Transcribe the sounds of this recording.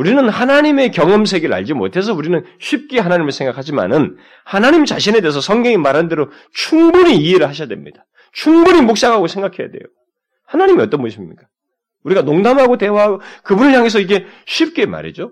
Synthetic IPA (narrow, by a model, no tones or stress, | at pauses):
uɾinɯnhanaɲime̞kjʌŋʌmsʰe̞ɡeɾɯɭa̰ʎd͡ʑimo̰tʰe̞s̬ʰʌuɾinɯnɕʰip̚k͈e̞ɦanaɲimɯɭsʰe̞ŋɡakʰad͡ʑima̰nɯn | hanaɲimt͡ɕaɕʰine̞de̞ːs̬ʰʌsʰʌŋɡjʌŋimaɾandeɾo | t͡ɕʰuŋbuɲiːeɾɯɭhaɕʰjadwe̞mɲid̥a | t͡ɕʰuŋbuɲimok̚s͈aɡaɡosʰe̞ŋɡakʰe̞ja̰dwe̞̰jo | hanaɲimiʌt͈ʌnmboɕʰimɲḭk͈ḁ | uɾiɡanoŋdamɦaɡote̞waɦaɡokɯbunɯɭjaŋe̞s̬ʰʌiɡe̞ɕʰip̚k͈e̞ma̰ɾḭd͡ʑo